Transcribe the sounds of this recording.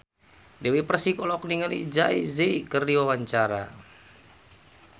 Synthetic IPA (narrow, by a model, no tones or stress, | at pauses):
dɛwipərsikɔlɔkniŋəlid͡ʒaḭzekərdiwawaɲt͡ʃaɾa̰